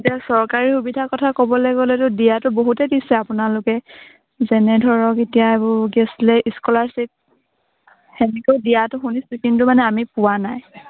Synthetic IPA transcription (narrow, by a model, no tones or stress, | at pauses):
etiasɔɹkaɹixubidʱakɔtʰakɔbɔlɛɡɔlɛtʊdijatʊboɦutɛdisɛapʊnalʊkɛ | zɛnɛdʱɔɹɔketijaebʊɡɛslɛʔiskɔlaɹsit̚ | hɛnɛkoʊdijatʊxunisukintʊmanɛamipʊwanaj